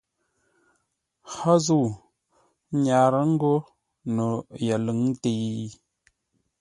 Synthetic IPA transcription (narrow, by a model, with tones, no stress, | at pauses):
ha˦zu˦˨˦ | ɲa˨ɾə˦ŋ̩˦ɡo˦ | no˨jə˨lə˨˦ŋ˦te˨j